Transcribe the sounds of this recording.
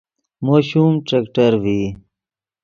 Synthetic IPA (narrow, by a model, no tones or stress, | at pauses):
moːɕumʈɾekʈɐɾwi